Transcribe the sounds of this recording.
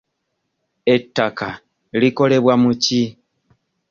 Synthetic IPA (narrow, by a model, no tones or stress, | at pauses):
e̞tːaka | liko̞le̞βwamuci